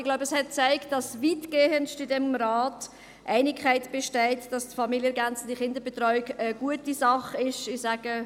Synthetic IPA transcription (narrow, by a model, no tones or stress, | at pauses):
ɪɡ̥laʊbəshɛt̚t͡sæɪkt̚d̥ɑsviːtɡ̥eːənʃtɪdɛmɾaːt | ʔæɪnɪkʰχæɪtb̥eʃtɛɪtd̥ɑstfɑmiljəɛɡænt͡səd̥iχɪndəbetɾɔʏɪɡəɡ̥uətisɑχɪʃɪsaːɡ̥ə